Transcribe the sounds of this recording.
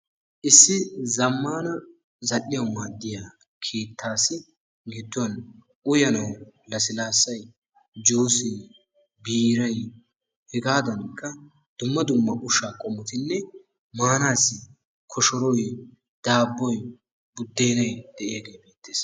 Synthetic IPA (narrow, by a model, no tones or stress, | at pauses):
ʔɪsːɪzɐmːaːnɐ | zɐlːɪjɐwmaːd̪ːɪjaː | kʰe̞ːt̪ʰːaːsɪ | ɡɪd̪ːʊɐn | ʔʊjɐnɐwlɐsɪlaːsːɐj | d͡ʒoːsɛj | biːɾɐj | hɛɡaːd̪ɐnkʰːɐ | d̪̥ʊmːɐd̪ʊmːɐʔʊʃaːkʼɔmːʊt̪ɪnːɛ | maːnaːsɪ | kʰɔʃɔɾɔj | d̪̥aːbːɔj | bʊd̪ːe̞ːnɐjd̪̥ɛʔɪjaɡe̞ːbeːt̪ːeːs